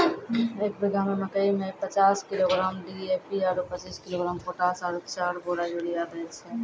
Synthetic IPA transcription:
eːk̚bɪɡʱamẽmɐkəimẽpət͡ʃaːskɪloːɡɾaːmɖieːpiaːɾopət͡ʃiːskɪloːɡɾaːmkoːʈaːsaːɾɪkt͡ʃaːɾboːɾajoɽijaːd̪esẽ

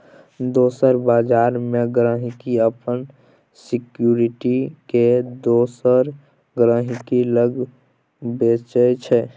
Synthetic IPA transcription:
d̪oːsəɾbaːd͡ʒaːɾmeɡɾə̃ːɦɪkiəpən | sɪkjuɾɪʈiked̪oːsəɾ | ɡɾə̃ɦɪkiləɡ | beːt͡ʃət͡ʃʰɛ

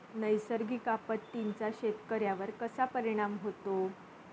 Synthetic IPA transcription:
nəjsəɾɡʱiːkapət̪ːiɲt͡saɕet̪kəɾjaʋəɾkəsapəɾiɽ̃amɦot̪o

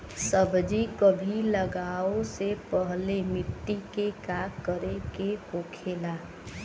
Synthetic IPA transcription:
səbd͡ʒikəbʱiləɡaosepəɦlemɪʈːikekakəɾekekokʰeːla

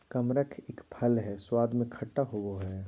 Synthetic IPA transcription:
kɐmɾəkʰeːkpʰɐlɦɛːswaːd̪mẽkʰɐʈːaɦowoɦɛː

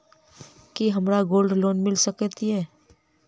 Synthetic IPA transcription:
kiɦɐmɾaɡoːlɖloːnmɪlsəkt̪iɦɛː

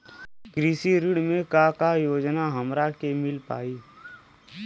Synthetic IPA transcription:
kɾisiɾɪɽmẽkakajoːd͡ʒnaɦəmɾakemɪlpa̰ːiː

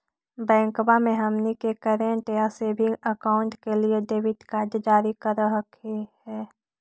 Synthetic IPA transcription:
bɛ̃ːŋkbamẽɦɐmnikekəɾẽɳʈjasebʱiəkaːʊ̃ɳʈkelieɖeːʋɪʈkaːɾdəd͡ʒaːɾikəɾɦəkʰehɛː

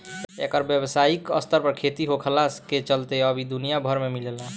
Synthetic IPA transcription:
ḛkəɾbjəbsaikə̰st̪əɾpəɾkʰet̪iɦokʰəlasket͡ʃəlt̪eəbʱid̪unijabʱəɾmemilelã

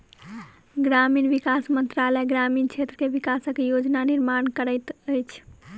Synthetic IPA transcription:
ɡɾaminʋikasmənt̪ɾalɛɡɾamint͡ʃʰet̪ɾəkeʋikasəkjod͡ʒnaniɾmankəɾəjt̪əjt͡ʃʰ

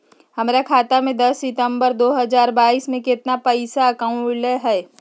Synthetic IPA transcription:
hɐmːɾakʰaːt̪amẽd̪ɐsːɪt̪ə̃mbəɾd̪oːɦəzaːɾbaːiːsmẽkɪt̪napɐɪsaɐkaʊ̃ləɦɛː

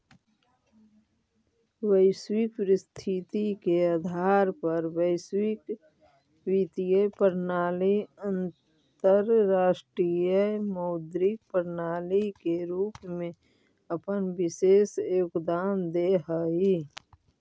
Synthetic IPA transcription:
wəɪswikpɾɪst̪ʰit̪ikeəd̪ʱaːɾpəɾwəɪswɪk | wit̪ijəpəɾnaːliə̃n | t̪əɾːaːʃʈɾijəməːd̪ɾɪk̚pəɾnaːlikeɾuːpmẽ | əpənbɪseːsjoːkd̪aːmd̪eɦəi

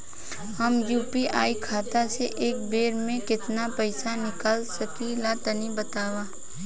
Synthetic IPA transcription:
hɐmjuːpiʔaːikʰaːt̪aseʔeːk̚beːɾmẽkɪt̪napɛɪsanɪkaːlsɐkilat̪ənibɐt̪aːwaː

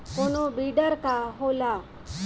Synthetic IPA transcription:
konobiɖəɾkaɦola

